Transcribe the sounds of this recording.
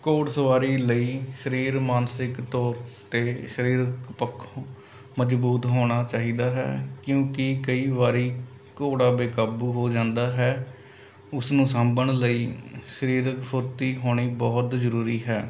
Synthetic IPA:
koːɽsəʋaːɾiːləiːʃəɾiːɾmaːnsɪkt̪ɔːɾt̪eːʃəɾiːɾəkpəkʰː | məd͡ʒbuːt̪ɦoːɽ̃aːt͡ʃaːɦiːd̪aːɦɛ̰ːkjõːkɪkəiːʋaːɾiː | koːɽaːbeːkaːbuːɦoːd͡ʒãːnd̪aːɦɛː | ʊsnũːsãːmbəɳləiːʃəɾiːɾkpʰʊɾt̪iːɦoːɽ̃iːbɔːt̪zəɾuːɾiːɦɛː

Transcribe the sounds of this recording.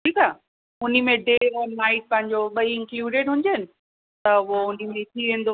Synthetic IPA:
ʈʰiːkaː | ʊnimẽɖeːɛ̃naːɪʈ̚pɐ̃ɦɪ̃ɲ̆d͡ʑoɓɐiɪ̃ŋkluːɖeːɖɦʊ̃ɲ̆d͡ʑənɪ̆ | t̪ɐʋoʊnimẽt̪ʰiʋẽːn̆d̪o

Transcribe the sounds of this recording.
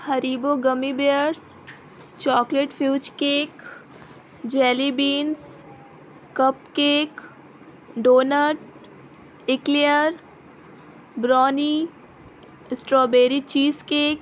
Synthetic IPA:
hɐɾiːboɡəmibeːɾs | t͡ʃɔːkleːʈfʰjuːt͡ʃkeːk | d͡ʒɛːlibiːns | kəp̚keːk | ɖoːnəʈ | ɪklijəɾ | bɾɔːni | ɪsʈɾɔːbeːɾit͡ʃiːskeːk

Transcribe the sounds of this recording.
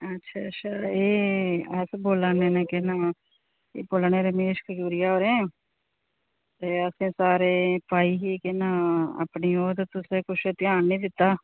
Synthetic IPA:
ətːʃʰaːətːʃʰaːeːəsboːlaːneːneːkɪnaː | eːboːlneːɾəmeːʃkʰəd͡ʒuːɾɪjaːɦoːɾɛ̃ː | t̪eːəsẽːsaːɾeːpaːiːɦiːkɪnãːa̰ːpniːoːt̪et̪ʊsẽːkʊt͡ʃʰt̪ɪaːnːiːd̪ɪt̪ːaː

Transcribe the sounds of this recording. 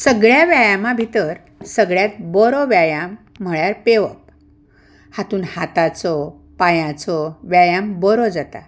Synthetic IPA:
səɡɭjaʋjajamabʱit̪əɾ | səɡɭjat̪̚bɔɾɔʋjajam̤ː | əɭjaɾpeʋə̰p̚ | hat̪uːnhat̪at͡sɔ | pajãt͡sɔʋjajambɔɾɔd͡zat̪a̰

